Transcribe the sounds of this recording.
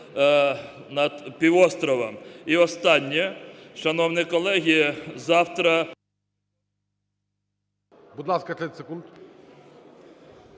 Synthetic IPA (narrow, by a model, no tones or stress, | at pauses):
nɐd̪pʲiwɔst̪ɾɔʋɐmiɔst̪ɑnʲːiʃɐnɔwnɪjkɔlˠɛɦʲizɑwt̪ɾɐ | bud̪lˠɑskɐt̪ɛt̪ʲsekund̪